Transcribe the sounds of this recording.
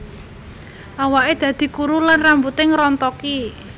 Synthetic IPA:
ʔawaʔed̪̥ä̤d̪̥i̤kuɾulanrambut̪eŋɾɔnt̪ɔki

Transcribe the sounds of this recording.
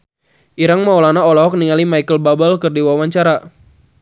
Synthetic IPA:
ʔiɾaŋmaɔlanaɔlɔɦɔk̚niŋalimajkəlbabəlkərdiwawaɲt͡ʃaɾa

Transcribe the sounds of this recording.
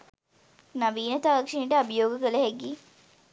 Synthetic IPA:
nɐʋiːnɐt̪aːɾɐkʂiniʈəabəjoːɡəkələɦeɡːi

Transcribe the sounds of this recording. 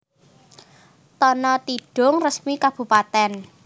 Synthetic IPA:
t̪ɔnɔt̪iɖ̥ʊ̤ŋrəsmikab̥ṳpat̪ɛn

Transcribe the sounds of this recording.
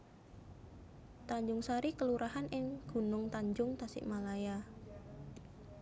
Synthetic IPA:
t̪aɲd͡ʒʊŋsaɾikəluɾahanʔɪŋɡ̥ṳnʊŋt̪aɲd͡ʒʊŋt̪asɪ̰ʔmalaja

